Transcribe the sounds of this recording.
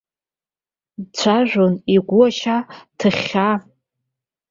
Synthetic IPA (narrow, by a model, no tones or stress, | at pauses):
dt͡ɕʷʰaʒʷᶣoniɡʷʊaʃatʰɨχʲa